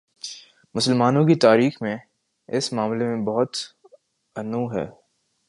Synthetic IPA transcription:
mʊsəlmaːnõkit̪aːɾiːxmẽ | ɪsmaːmlemẽbɔɦʊt̪ | ɐnuːɦɛ̰ː

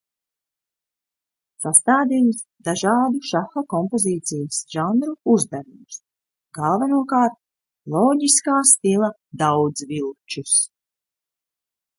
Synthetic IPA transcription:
sast̪aːd̪iːms | d̪aʒɑːd̪uʃaxakɔmpoziːt̪sijisʒ̥anɾuuzd̪aɾumus | ɡalˠvanuɔkaːɾt̪̚ | lˠɔːɟʲiskaːst̪ilˠɐ | d̪awd̪zvilˠt͡ʃus

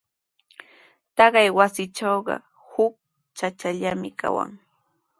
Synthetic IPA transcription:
t̪ɑɢɑjwasɪt͡ʃawɢɑ̰ | hʊk̚ | t͡ʃat͡ʃaʎamɪka̰wa̰ŋ

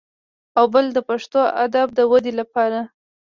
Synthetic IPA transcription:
awbəld̪əpaʂt̪oa̰d̪ab̚d̪əwad̪elapɑɾa

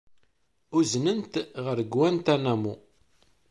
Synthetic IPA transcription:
uznənt̪ʁəɾɡwænt̪ænæmu

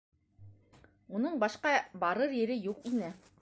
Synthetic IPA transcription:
unɤɴbɑʃqɑbɑɾɤɾjɘ̆ɾɘjuqinɘ

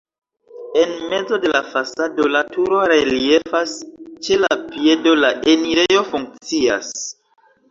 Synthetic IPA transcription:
e̞nme̞d͡zo̞de̞lafasado̞latuɾo̞ɾe̞lie̞fast͡ʃe̞lapie̞do̞laʔeniɾe̞jo̞fuŋk̚t͡sia̰s

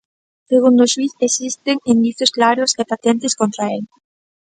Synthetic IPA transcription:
seɣund̪oʃwiθesist̪eŋind̪iθjosklaɾosepat̪ent̪eskont̪ɾael

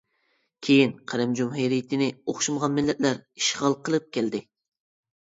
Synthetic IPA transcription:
kʲʰejinqʰæɾɛmd͡ʒumɦejɾijt̪ʰɪnɪoχʃumʁɑnmɪlːɛt̪læɾiʃʁɑlˠqʰəlˠɨp̚kʲʰæld̪ɪ

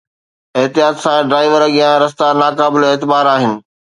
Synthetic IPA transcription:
ɪɦt̪ijaːt̪sãɖɾaːɪʋəɾɡijãɾɐst̪anaːkaːbɪleːt̪ɪbaːɾaːɦɪnɪ̆

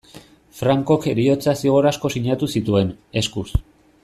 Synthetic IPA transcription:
fɾaŋko̞keɾio̞t͡sasiɣ̞o̞ɾasko̞siɲat̪usit̪ue̞n | e̞skus

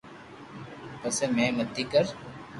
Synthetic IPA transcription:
pəsemẽːmət̪ːiːkəɾ

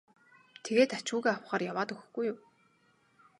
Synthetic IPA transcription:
t̪ʰeɣeːt̪at͡ɕuːɣeːaw̆χaːrjawaːt̪ɵxɵ̆xɡujʊm

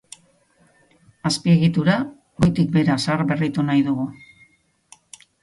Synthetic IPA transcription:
aspie̞ɣit̪uɾa | ɡojt̪ik̚be̞ɾasarbe̞rit̪unajðuɣu

